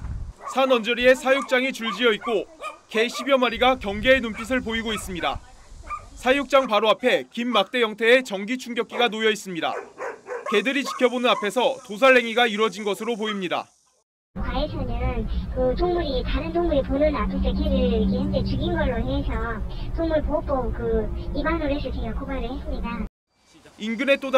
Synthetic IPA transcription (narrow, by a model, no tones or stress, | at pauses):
sʰanʌnd͡ʑʌɾie̞sʰajuk̚t͡ɕ͈aŋit͡ɕuɭd͡ʑiʌit̚k͈oke̞ɕʰibjʌmaɾiɡakjʌŋɡe̞ːnump͈ʰis̬ʰɯɭpoiɡois͈ɯmɲida̰ | sʰajuk̚t͡ɕ͈aŋpaɾoapʰe̞kimːak̚t͈e̞jʌŋtʰe̞ːt͡ɕʌŋɡit͡ɕʰuŋɡjʌk͈̚iɡanojʌis͈ɯmɲida̰ | ke̞dɯɾit͡ɕi̥pʰjʌbonɯnapʰe̞sʰʌtos̬ʰaɭːe̞ŋiɡaiɾwʌd͡ʑinɡʌsʰɯɾop̬oimɲida̰ | kwaesʰʌnɯnkɯtʰoŋmuɾitaɾɯntʰoŋmuɾiponɯnapʰes͈ʰek̬ʰiɾɯɭikʰehjʌnd͡ʑet͡ɕɯɡinɡʌɭːoɦesʰʌtʰoŋmuɭpop͈okɯibaŋɾoɾesʰɯt͡ɕʰeŋakʰobaɾɯɭhe̞s͈ɯmɲida | inɡɯne̞t͈od